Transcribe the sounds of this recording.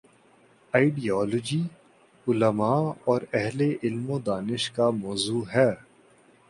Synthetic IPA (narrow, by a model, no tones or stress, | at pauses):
aːɪɖijɔːlod͡ʒiː | ʊləmaːɔːɾɛɦleʔɪlmõd̪aːnɪʃkamɔːzuːɦɛː